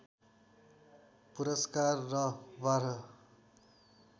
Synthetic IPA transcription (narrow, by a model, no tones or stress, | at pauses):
puɾʌskarːʌbaɾʌ